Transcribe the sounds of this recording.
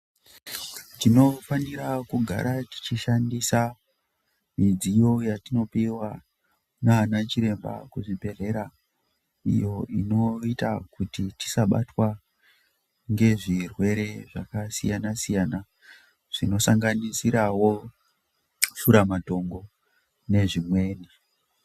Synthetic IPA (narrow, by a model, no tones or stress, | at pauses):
tino̞faniɾakuɡʱa̰ɾati̥t͡ʃiʃandisa | mid͡zijo̞jatino̞piwa | nanat͡ʃiɾe̞mba̰kuʐibʱe̞re̞ɾa | ḭjo̞ʔḭno̞ita̰kutiti̥saɓa̰twa | ŋɡe̞ʐirwe̞ɾe̞ʐakasijanasijaːna | ʐ̥ino̞saŋɡanisiɾawo̞ | ʃuɾamato̞ŋɡo̞ | ne̞ʐimwe̞ːni